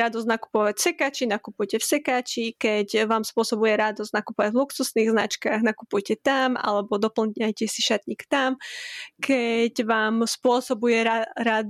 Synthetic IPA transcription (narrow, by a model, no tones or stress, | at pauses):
ɾad̪ɔznaku̥pɔʋacfsɛkaːt͡ʃinakupujcɛfsɛkaːt͡ʃikɛcʋaːmspʊɔsɔbujɛɾad̪ɔznakupɔʋaɟvluksusniɣzna̰t͡ʃkaɣnakupujcɛt̪ama̰lɛbɔd̪ɔpl̩ɲajcɛsiʃat̪ɲikt̪amkʰɛɟʋaːmspʊɔsɔbujɛaɾad̪